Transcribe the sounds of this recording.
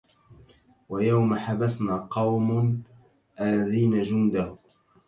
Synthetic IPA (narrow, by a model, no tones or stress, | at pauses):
wajawmaħabasnaːqɑwm | ʔalːaðiːnad͡ʒʊnd̪ah